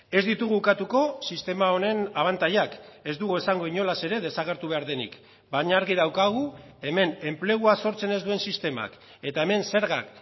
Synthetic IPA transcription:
e̞zd̪it̪uɣ̞ukat̪uko̞sist̪e̞maone̞naβ̞ant̪ajake̞zd̪uɣuesaŋɡo̞iɲo̞lase̞ɾe̞ðe̞saɣ̞e̞ɾt̪uβe̞aɾðe̞nḭk | baɲaːɾɣið̞awkaɣ̞u | e̞me̞ne̞mple̞ɣ̞uaso̞ɾt͡se̞ne̞zd̪ue̞nsist̪e̞ma̰k | e̞t̪ae̞me̞nse̞ɾɣak

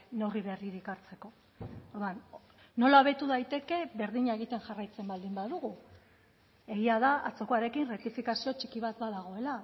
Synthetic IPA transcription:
newriβe̞riɾikaɾt͡se̞ko̞ | oɾðuanː | o̞laβe̞t̪uðajt̪e̞ke̞βe̞ɾðiɲaeɣ̞it̪e̞ŋʝarajt͡se̞mbald̪imbaðuɣu | e̞ɣiaðaʔat͡so̞koaɾe̞kinrekt̪ifikasio̞t͡ʃi̥kiβ̞at̪̚baðaɣ̞o̞e̞la

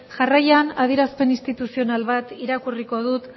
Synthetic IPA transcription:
ʝarajanað̞ieɾaspe̞nist̪it̪usio̞nalβat̪iɾakuriko̞ðut̪

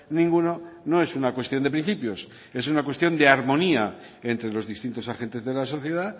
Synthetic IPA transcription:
nĩŋɡuno̞no̞e̞sunakwe̞st̪jo̞nd̪epɾĩn̟θipjo̞s | e̞s̬unakwe̞st̪jo̞nd̪eaɾmõ̞nia | ent̪ɾe̞lo̞zðist̪int̪o̞saxent̪e̞zðe̞laso̞θjeð̞a

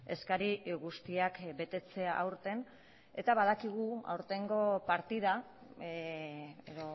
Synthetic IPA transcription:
e̞skaɾiɣust̪iakbe̞t̪e̞t͡se̞aʔawɾt̪e̞n | e̞t̪aβað̞akiɣ̞ua̰wɾt̪e̞ŋɡo̞paɾt̪iða | eðo

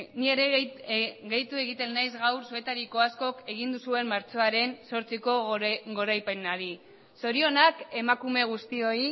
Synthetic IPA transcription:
nie̞ɾe̞ | ɣe̞jt̪ue̞ɣit̪e̞nːajzɣawɾsue̞t̪aɾiko̞asko̞ke̞ɣ̞ind̪usue̞mmaɾt͡so̞aɾe̞nso̞ɾt͡siko̞ɡo̞ɾajpe̞naɾi | so̞ɾio̞nake̞makume̞ɣ̞ust̪io̞i

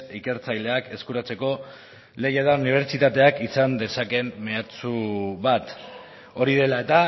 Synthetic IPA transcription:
ike̞ɾt͡sajle̞ake̞skuɾat͡se̞ko̞ | le̞jaðauniβ̞e̞ɾt͡ʃit̪at̪e̞akisand̪e̞sake̞mːeat͡suβat̪ | o̞ɾið̞e̞lae̞t̪a

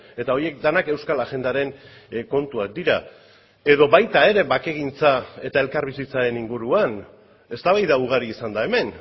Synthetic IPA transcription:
e̞t̪ao̞jie̞k̚d̪anake̞wskalaʝe̞nd̪aɾe̞nko̞nt̪uak̚d̪iɾa | e̞ðo̞βajt̪ae̞ɾe̞βake̞ɣ̞int͡sae̞t̪ae̞lkaɾβisit͡saɾe̞niŋɡuɾuan | e̞st̪aβajðauɣ̞aɾiːsand̪ae̞me̞n

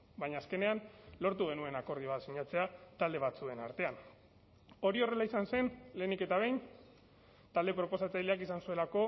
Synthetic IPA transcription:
baɲaːske̞ne̞anlo̞ɾt̪̬uɣ̞e̞nue̞nako̞ɾð̞ioβ̞at̪siɲat͡se̞at̪ald̪e̞β̞at͡sue̞na̰ɾt̪e̞an | o̞ɾio̞re̞laisanse̞nle̞ːnike̞t̪aβ̞e̞jn | t̪ald̪e̞pɾo̞po̞sat͡sajleakisansue̞lako̞

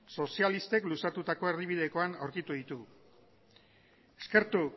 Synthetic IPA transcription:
so̞sialist̪e̞klusat̪ut̪ako̞e̞ɾðiβ̞iðe̞ko̞anawɾkit̪uð̞it̪uɣ | eske̞ɾt̪u

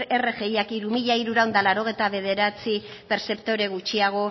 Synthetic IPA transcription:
ere̞ɣe̞jakiɾumiʎaiɾuɾawnd̪alaɾo̞ɣ̞ejt̪aβe̞ð̞e̞ɾat͡sipe̞ɾse̞pt̪o̞ɾe̞ɣut͡ʃiaɣ̞o̞

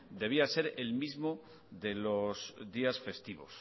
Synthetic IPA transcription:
d̪e̞β̞iase̞ɾe̞lmizmo | ðe̞lo̞sd̪iasfe̞st̪iβo̰s

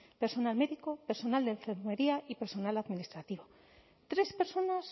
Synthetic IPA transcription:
pe̞ɾso̞nalme̞ðiko̞peɾso̞nald̪eɱfeɾme̞ɾiaʔipeɾso̞nalaðminist̪ɾat̪iβo | t̪ɾe̞spe̞ɾso̞nas

